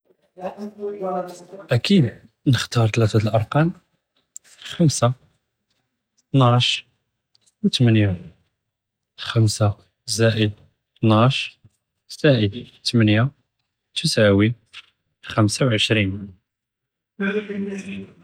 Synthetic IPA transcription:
ʔækid̪ | nəxt̪ɑɾˤt̪læt̪æt̪əlʔɑɾˤqɑn | xəmsa | t̪nʕʃ | wt̪mənja | xəmsa | zæʔəd̪̚ | t̪nʕɑʃ | zæʔət̪mənja | t̪usawi | xæmsawʕəʃɾin

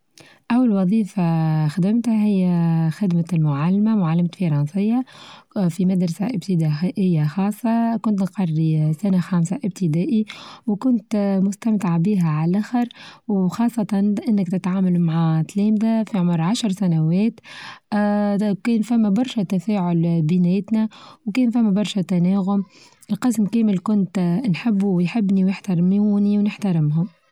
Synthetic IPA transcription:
ʔawːalwɑðˤiːfaxad̪ɪmt̪hæɦɪjːæxɪd̪malmʊʕalːmamʊʕalːamt̪fɑɾˤɑnsɨjːɑ | fimad̪ɾˤɑsaʔɪb̚t̪ɪd̪aʔʔɪjːaxɑːsˤːɑkʊnt̪qɑrˤːisænaxaːmsaʔɪb̚t̪ɪd̪æːʔiwkʊnt̪mʊst̪amt̪ɪʕbiːɦæʕalʔæxɪɾwxɑːsˤːɑt̪ɑnʔɪnːɪkt̪ɪt̪ʕaːmælmaʕat̪liːmd̪æfiʕʊmɾʕaʃɾˤsænawɛːt̪ | kɛːnfæmːæbɑɾˤʃæt̪afæːʕʊlbɪnæːjt̪næwkɛːnfæmːæbɑɾˤʃæt̪ænæːɣʊm | ʔɪlqɨsmkæːmɪlkʊnt̪nħɪbːujħɪbːniwjɪħt̪ɑɾmuniwnɪħt̪ɑɾɪmɦʊm

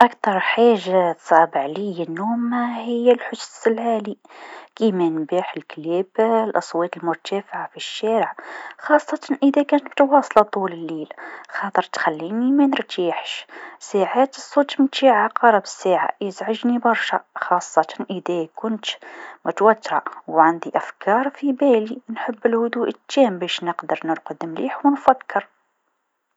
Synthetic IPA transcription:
ʔækt̪ɑɾˤħaʒːat̪sˤɑbəʕlijənːumæhəjːælħʊssəlʕali | kimænbiħəlkliblʔɑsˤwɑt̪əlmʊɾt̪æfʕafiʃːæɾəʕxɑsˤːɑt̪ɑnʔəd̪ækænt̪bt̪wɑsˤlɑt̪ˤuləlːilxɑt̪ˤəɾˤt̪xælːinimænəɾt̪iħʃsaːʕaːt̪əsˤːoːt̪mɪnt̪iːʕaqɑɾˤɑbəsæːʕa̰jəzʕaʒnibɑɾˤʃæxɑːsˤːɑt̪ɑ̥nʔəðækʊnt̪mʊt̪wæt̪ːɾˤɑ̰wʕand̪iʔæfkʰɑːɾˤfibæːlinħəbːəlhʊd̪uːʔət̪ːæːmbæʃnəqd̪əɾˤnəɾqd̪əmliːħwnfækʰːəɾ

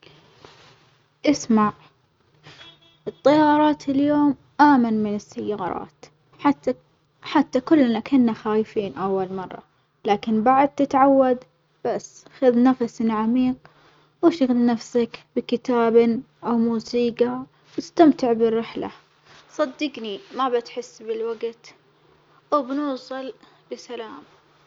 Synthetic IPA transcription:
ʔɪsmaʕ | ʔɨt̪ˤːɑjɑːɾˤɑːt̪ʰɪljoːm | ʔaːmanmɪnɪsːajːɑːɾˤɑ̰ːt̪ | a | ħat̪ːakʊlːnakɪnːaxaːjɪfiːnʔawːalmɑrˤːɑ̰ | laːkɪnbaʕd̪̚t̪ɪt̪ʕawːad̪ | b̥asːxaðnafasɪnʕamiːq̚ | wɪʃaɣɪlnafsakbɪkɪt̪aːbɪn | ʔawmuːsiːqɑ | wɪst̪amt̪ɪʕbɪrːɪħla̰ | sˤɑd̪ːɪɡnimabɪt̪ħɪsːbɪlwaɡt̪ | wɪbnuːsˤɨl | bɪsalaːm

